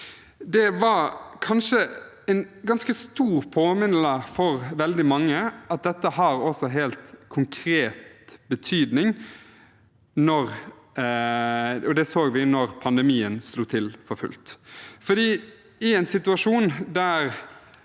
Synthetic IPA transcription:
d̪ɛʋɑɾkʰɑnʂə | ɛnɡɑnskəst̪uːʁpʰoːmɪnl̩əfɔɾʋɛld̪ɪmɑŋːəɑt̪̚d̪ɛt̪ːəɦɑɾɔsɔɦeːlt̪kʰʊŋkʰɾeːt̪bət̪ʰyːd̪nɪŋ | nɔɾ | ɔd̪ɛsoːɡʋɪnɔɾpʰɑnd̪ɛmiːənsluːt̪ʰɪlfɔɾfʉ̰lt̪fɔd̪iː | ɪɛɪnsɪt̪ʉɑʂuːnd̪æɾ

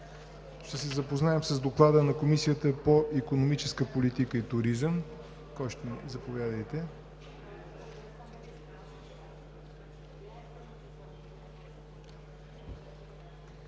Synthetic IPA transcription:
ʃt̪ɛsɛzəpoznaɛmsɐzd̪oklˠad̪ənɐkomisijət̪əpoʔikonomit͡ʃɛskəpolit̪ikəit̪ʊɾizəm | kɔjʃt̪ɛnizɐpovʲjad̪əjt̪ɛ

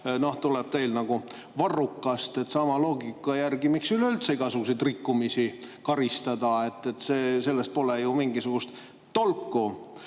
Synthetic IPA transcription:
no̞ht̪uleb̥̚t̪e̞jlnɑɡ̥u | vɑrukːɑst̪e̞t̪ˑsɑmɑlo̞ːɡ̥ikːˑɑjærɡ̥imiksylolʲt̪seiɡɑsuɡusejd̪rikːumisikɑɾist̪ɑd̪ɑe̞t̪ːe̞t̪ːseːse̞lːest̪̚po̞lejumiŋɡisuɡ̥ust̪ | t̪ːo̞lkˑːu

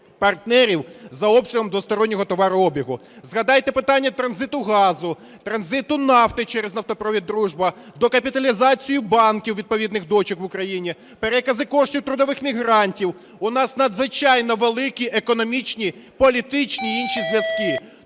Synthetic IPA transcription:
pɐrt̪nɛɾʲiwzɐɔbpsʲɐɦɔmd̪ʋʊst̪ɔɾɔnʲːɔɦɔt̪ɔʋɑɾʊɔbʲiɦʊzɣɐd̪ɑjt̪ɛpɪt̪ɑnʲːɐt̪ɾɐnzɪt̪ʊɣɑzʊ | t̪ɾɐnzɪt̪ʊnɑft̪ɪt͡ʃɛɾeznɐwt̪ɔpɾɔʋʲid̪ːɾuʒbɐd̪ɔkɐpʲit̪ɐlʲizɑt͡sʲijʊbɑnkʲiwʋʲid̪̚pɔʋʲid̪nɪxd̪ɔt͡ʃɪkʋʊkɾɐjinʲi | peɾɛkɐzɪkɔʃtʲiwt̪ɾʊd̪ɔʋɪxmʲiɦɾɑnʲtʲiw | ʊnɑsnɐd̪zʋɪt͡ʃɑjnɔʋelˠɪkʲiʔekɔnɔmʲit͡ʃnʲipɔlʲit̪ɪt͡ʃnʲiinʃizʲʋʲjɐz̥kɪ

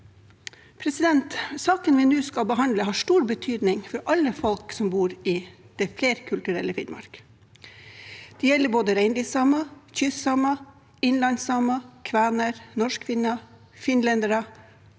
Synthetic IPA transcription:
pʰɾɛsɪd̪ɛnt̪sɑːkənʋɪnʉːskɑbəɦɑnd̪ləɦɑːʂʈuːɾbət̪ʰyːd̪nɪŋfɔɾʔɑlːəfɔlksɔmbuːɾɪ | d̪̥ɛfleːɾkʰʉlt̪ʉɾɛ̰ləfɪd̪mɑ̰ɾk | d̪̥ɛjɛlːəboːd̪əɾæɪnd̪ɪsɑmɑçʏsɑmɑ | ɪnlɑnsɑmɑkʰʋæːnəɾnɔʂkʰʋɪnɑ | fɪnlɛnd̪əɾɑ

